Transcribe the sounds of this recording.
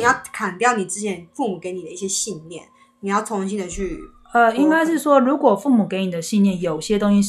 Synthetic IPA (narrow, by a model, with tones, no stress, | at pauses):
i˨˩jɑ˥˩ʊkʰa˨˩nt̪jɑ˥˩ʊni˨˩ʈ͡ʂɻ̩˥t͡ɕʰjɛ˧˥nfu˥˩mu˨˩ke˧˥ɪni˨˩d̪ə˦i˥˩ɕjɛ˥ɕi˥˧nljɛ̰˥˩n | ni˨˩jɑ˥˩ʊt͡sʰʊ˧˥ŋɕi˥nd̪ə˨t͡ɕʰy˥˩ | ə˧i˥ŋka˥ɪʂɻ̩˥˩ʂwɔ˥ɻu˧˥kwɔ˨˩fu˥˩mu˨˩ke˧˥ɪni˨˩ə˦ɕi˥˧njɛ˥˩njo˨˩ʊɕjɛ˥t̪ʊ˥ŋɕi˧˥